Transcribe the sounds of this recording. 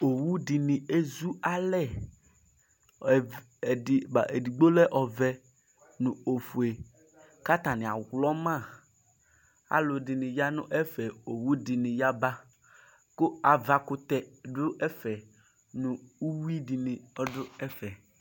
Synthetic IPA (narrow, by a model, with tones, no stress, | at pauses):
o˨wu˦dɪ˨nɪ̃˨e˦zu˦a˦lɛ˦˨ | dɪ˨ba˨ʔe˨di˨ɡ͡bo˦lɛ˦ʔɔ˨vɛ˦ | nʊ̃˨o˨fu˨e˨ | ka˦t̪a˨nɪ̃˨a̰˨ɣlɔ˦mã˦˨ | a̰˨lʊ˨dɪ˨nɪ̃˨ja˦nʊ̰̃˦ʔɛ˦fɛ˨o˨wu˦dɪ˨nɪ̃˨ja˦ba˦ | kʊ˦a˨va˨kʊ˦t̪ɛ˨dʊ˦ʔɛ˦fɛ˨ | nʊ̃˨u˦wi˦di˨nĩ˨ɔ˦dʊ˦ɛ˦fɛ˨